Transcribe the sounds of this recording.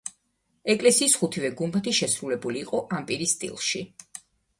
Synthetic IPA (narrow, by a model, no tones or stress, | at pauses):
ɛkʼlɛsiːsχut̪ʰivɛɡumbat̪ʰiʃɛsɾulɛbuliːqʼɔʔampʼiɾist̪ʼḭlˠʃi